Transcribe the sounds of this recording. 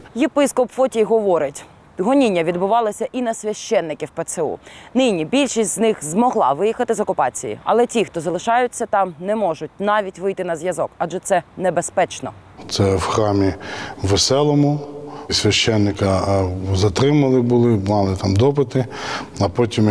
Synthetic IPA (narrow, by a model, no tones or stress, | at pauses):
jepɪskɔpfɔtʲiɦɔʋɔɾɪtʲ | ɦɔnʲinʲːɐʋʲid̪bʊʋɑlˠɐsʲɐʔinɐsʲʋʲɐʃt͡ʃɛnːɪkʲiwpɛt̪sɛṵnɪnʲibʲilʲʃisʲtʲznɪxzmɔɦlˠɑʋɪjixɐt̪ɪzɔkʊpɑt͡sʲijḭɐ̰lˠɛtʲixt̪ɔzɐlˠɪʃɑjʊt͡sʲːɐt̪ɑmnɛmɔʒʊt̚ʲnɑʋʲitʲʋɪjt̪ɪnɐzʲʋjɐzɔkɑdʒɛt̪sɛnɛbespɛt͡ʃnɔ̰t̪sɛwxɾɑmʲiʋesɛlˠɔmʊsʲʋʲɐʃt͡ʃːɛnːɪkɐzɐt̪ɾɪmɐlˠɪbʊlˠɪmɑlˠɪt̪ɑmd̪ɔp̬ɪt̪ɪɐpɔtʲim